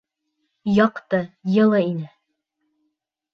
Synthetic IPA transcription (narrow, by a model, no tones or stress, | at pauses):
jɑqt̪ɤjɤ̆lˠɤinɘ